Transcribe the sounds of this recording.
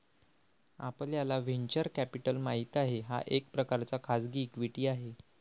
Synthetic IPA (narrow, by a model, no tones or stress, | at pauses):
a̰pəljalaʋeɲt͡ɕəɾkæpiʈəlmaɦit̪aɦeɦa̰ʔek̚pɾəkaɾt͡sakʰad͡zɡiːkʋiʈiːaɦe